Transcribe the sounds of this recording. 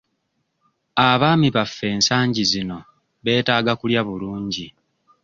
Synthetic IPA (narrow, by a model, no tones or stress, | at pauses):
aβaːmiβafːe̞ːnsaːɲɟizino̞ | βe̞ːtaːɡakuljaβuluːɲɟi